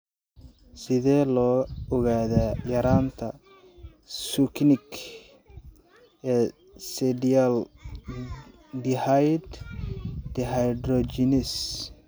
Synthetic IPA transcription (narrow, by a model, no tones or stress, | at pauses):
sɪðɛːlɔːɔɣaːðajɐɾaːnt̪ʰɐ | sʊknɪk | ʔɛː | sɛdiɐl | d̪ɪhajd̪ | d̪̥ɛɦajd̪rɔt͡ʃɪnɪs